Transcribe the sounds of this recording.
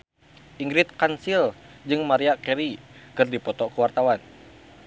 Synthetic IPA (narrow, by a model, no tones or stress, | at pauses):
ʔiŋɡɾɪt̪̚kansild͡ʒɨŋmaɾiakɛɾikɨrdipɔt̪ɔkəwart̪awan